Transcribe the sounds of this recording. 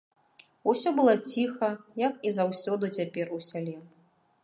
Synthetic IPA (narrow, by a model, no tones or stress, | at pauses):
usʲɔbɨlˠɔt͡sʲixɐjɐkizawsʲɔd̪ut͡sʲapʲɛrusʲalʲɛ